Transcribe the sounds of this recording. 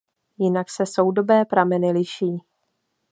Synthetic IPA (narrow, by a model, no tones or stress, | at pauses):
jɪnaksɛso̞wdo̞bɛːpɾamɛnɪlɪʃiː